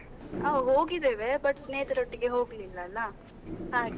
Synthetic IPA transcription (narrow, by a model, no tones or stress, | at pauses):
aːɦoːɡid̪eːʋebɐʈːsneːt̪ɐɾoʈːiɡe̞ɦo̞ːɡlilːɐːlːɐ | ɦaːɡ